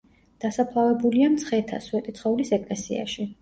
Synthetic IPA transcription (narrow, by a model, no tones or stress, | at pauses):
d̪̥asapʰlˠavɛbuliamt̪sʰχɛt̪ʰa̰swɛt̪ʼit̪sʰχɔvlisɛkʼlɛsḭa̰ʃi